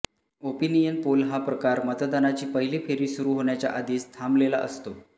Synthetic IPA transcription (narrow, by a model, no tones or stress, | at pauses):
opinijənpolɦapɾəkaɾmət̪d̪anat͡ɕiːpəɦiliːfʰeɾiːsuɾuːɦoɳjat͡ɕja̰ʔad̪iːst̪ʰamblelaʔə̰st̪o